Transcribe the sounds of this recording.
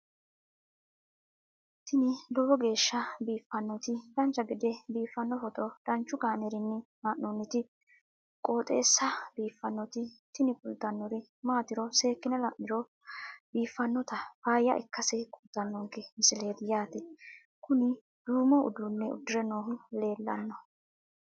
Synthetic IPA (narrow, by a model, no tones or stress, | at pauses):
t̪ʰɪnɪlɔwɔɡe̞ːʃːɐbiːfːɐnːɔt̪ɪdɐnt͡ʃːɐɡɪd̪ɛbiːfːɐnːɔɦɔt̪ʼɔd̪̥ɐnt͡ʃːʊkaːnɛɾɪnːɪmaːʔonːɪt̪ɪ | kʼoːt̪ʼe̞ːsːɐbiːfːɐnːɔt̪ɪt̪ɪnɪkʼʊlt̪ːɐnːɔɾɪ | maːt̪ɪɾɔse̞ːkːɪnɛlɐʔɪɾɔ | biːfːɐnːɔt̪ɐfaːjːɐ̰ʔɛ̰kːɐsɛkʼʊlt̪ːɐnːɔŋkːɛmɪsɪle̞ːd̪ɪjaːt̪ɛ | kʊnɪ | d̪̥uːmɔʊ̰d̪ʊnːɛʊ̰d̪ʊɾɛnoːɦʊle̞ːlːɐ̰nːɔ